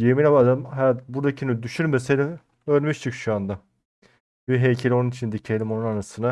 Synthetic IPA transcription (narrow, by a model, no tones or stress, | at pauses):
jeminabad̪alɯmɦɛbuɾd̪acʰinyd̪yʃyɾmeseni | øɾʲmyʃt͡ʃʰɯkʃuand̪a | biɦejcʰelʲio̞nunit͡ʃʰind̪icʰelʲimo̞nunanasɯna